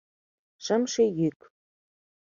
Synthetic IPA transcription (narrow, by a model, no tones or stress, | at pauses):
ʃə̆mʃejyk